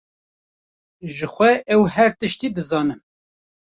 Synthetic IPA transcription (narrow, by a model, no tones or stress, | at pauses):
ʒəxʷɛʔɛwɦɛɾt̪ɨʃt̪iːd̪ɨzɑːnɨm